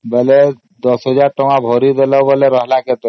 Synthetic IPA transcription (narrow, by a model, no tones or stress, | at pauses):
bele | d̪ɔsɦɔd͡ʒaɾʈɔŋabʱɔɾid̪elɔwbɔleɾɔɦlaket̪e